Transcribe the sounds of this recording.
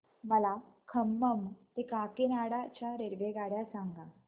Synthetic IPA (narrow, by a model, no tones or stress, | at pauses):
məlakʰəmːəmt̪ekakenaɽat͡ɕjaɾeɾʋeɡaɽjasaŋɡa